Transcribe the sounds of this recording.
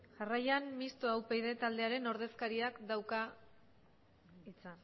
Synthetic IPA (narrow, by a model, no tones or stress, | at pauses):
ʝarajanmist̪oawpe̞jðe̞t̪ald̪e̞aɾe̞no̞ɾð̞e̞skaɾiakd̪awka | it͡san